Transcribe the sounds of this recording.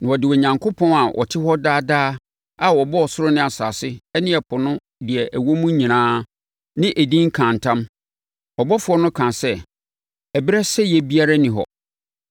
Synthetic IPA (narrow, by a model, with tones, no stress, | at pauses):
nɪ̃˨ɔ˨dɪ˨wɛ˨ɲã˨ŋkʰo˦pʰɔ̃˦na˨wʔɔ̰˨tʰɪ˦hɔ˦daː˦daː˦ | a˨wɔ˨bɔ˦ɔ˨sʊ˦ɾʊ˦nɪ̃˦a˨sa̰ː˨sɪ˦ɛ˦nɪ̃˦ɛ˨pʰʊ˨nʊ̃˦ | dɪ˨ɛ˨ʔæ˨wo˦mũ˦ɲĩ˨nãː˦ | nɪ̃˦ʔæ˨dĩ˦ŋ̩˦kʰã˨n˨tʰã˦m | ɔ˨bɔ˦fʊ˨ɔ˦nʊ̃˦kʰã˨sɛ˦ | ɛ˨bɪ˦ɾɛ˦sɛ˦jɛ˦bi˦a˦ɾa˦nĩ˨ɦɔ̰˨